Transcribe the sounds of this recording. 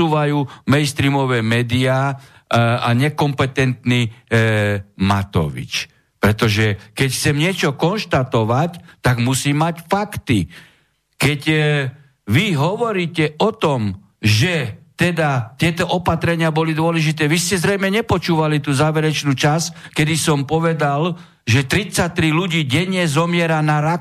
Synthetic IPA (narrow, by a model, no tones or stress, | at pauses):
uːʋajuːmɛnst̪ɾiːmɔʋɛːmɛːd̪iaː | aɲɛkɔmpɛt̪ɛnt̪ni | mat̪ɔ̰ʋḭt͡ʃ | pɾɛt̪ɔʒɛkɛcxt͡sɛmɲɪɛt͡ʃɔkɔnʃt̪at̪ɔʋact̪aɡmusiːmacfakt̪i | kɛc | ʋiɦɔʋɔɾiːcɛɔt̪ɔm | ʒɛt̪ɛd̪at̪ɪɛt̪ɔʔɔpat̪ɾɛɲɪabɔlid̪ʊɔlɛʒit̪ɛːʋiscɛzɾɛjmɛɲɛpɔt͡ʃuːʋalit̪uːzaːʋɛɾɛt͡ʃnuːt͡ʃaskɛd̪isɔmpɔʋɛd̪al | ʒɛt̪ɾit͡sac̚t̪ɾiluɟiːɟɛɲːɛzɔmɪɛɾanaɾa